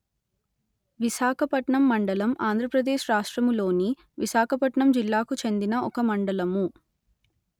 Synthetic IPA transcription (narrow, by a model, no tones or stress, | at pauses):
ʋiʃaːkʰɐpɐʈɳɐmːɐɳɖɐlɐmʔaːnd̪ʱɾɐpɾɐd̪eːʃɾaːʂʈɾɐmlo̞ːni | ʋiʃaːkʰɐpɐʈɳɐmd͡ʒilːaːkut͡ʃe̞nd̪inɐɔkɐmɐɳɖɐlɐmu